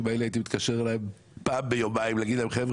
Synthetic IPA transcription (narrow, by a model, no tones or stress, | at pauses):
mailait̪imit̪kaʃeʁelaem | paːmbejomaimlaɡid̪laimχevʁ